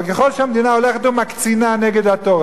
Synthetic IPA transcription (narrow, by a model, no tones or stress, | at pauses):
keχo̞lʃeamd̪inao̞le̞χet̪umakt͡sinaneɡed̪hat̪oʁa